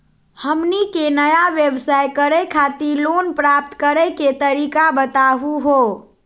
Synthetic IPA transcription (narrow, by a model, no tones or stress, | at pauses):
həmnikenəjaʋjebsajkəɾɛkʰat̪ilonpɾap̚t̪kəɾɛket̪əɾikabət̪aɦuɦo